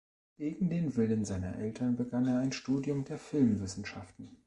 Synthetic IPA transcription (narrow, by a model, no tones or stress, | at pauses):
ɡ̥eːɡŋ̩deːnvɪlənzaɪnɐ̰ʔɛltʰɐnbəɡaneːɐaɪnʃtuːdjʊmdeːɐfɪlmvɪsn̩ʃaftn̩